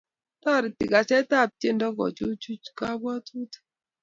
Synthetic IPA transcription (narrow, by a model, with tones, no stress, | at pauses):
tɔ˦˨ɾi˨ti˨ka˨sɛ˦ta˦˨p̚t͡ʃe˦˨ndɔ˦kɔ̰˨t͡ʃu˦t͡ʃu˦t͡ʃka˦bwa˦tu˦t